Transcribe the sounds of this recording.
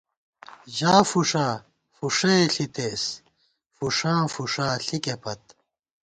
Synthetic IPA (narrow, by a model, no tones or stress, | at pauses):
ʑaːfuʂaː | fuʂeɬit̪eːs | fuʂãːfuʂaːɬikepɐt̪